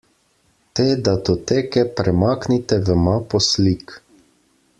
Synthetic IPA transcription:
t̪eːd̪at̪ɔt̪eːkɛpɾɛmaːknit̪ɛvəmapɔslik

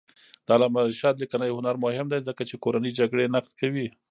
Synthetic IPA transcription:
d̪̥ɑlamaʃɑt̪lɪkanəjhʊnaɾmʊhɪmd̪ajzəkat͡ʃekoɾanəjd͡ʒaɡɽenaqt̪̚kawi

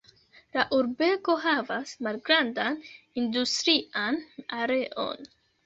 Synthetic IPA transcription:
laʔuɾbe̞ko̞ɦavasmalɡɾandan | industɾiʔanaɾe̞ʔo̞̰n

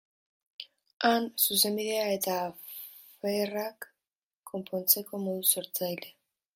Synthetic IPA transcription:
ansus̬e̞mbiðe̞ae̞t̪aː | ferakː | o̞mpʰo̞nt͡se̞ko̞moðuso̞ɾt͡sajle̞

